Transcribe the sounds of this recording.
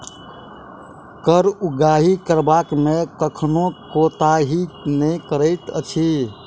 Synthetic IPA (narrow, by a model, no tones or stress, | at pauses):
kəɾuɡaɦikəɾbakmekəkʰnokot̪aɦinəjkəɾəɪt̪ə̰t͡ʃʰi